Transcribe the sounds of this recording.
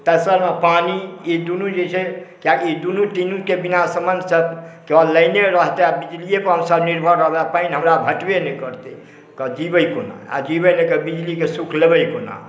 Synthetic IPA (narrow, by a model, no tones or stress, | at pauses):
t̪əsəɾmepaniid̪unũd͡ʒet͡ʃʰɛkjakiid̪unuʈinũkebinasəmənsəbkealəjneɾəɦt̪eabid͡ʒliepəɦəmsəbniɾbʱəɾːəɦbeapainɦəmɾabʱəʈbenekəɾt̪e | kəd͡ʒibəjkona̰a̰d͡ʒibenekəbid͡ʒlikesukʰlebəjkona̰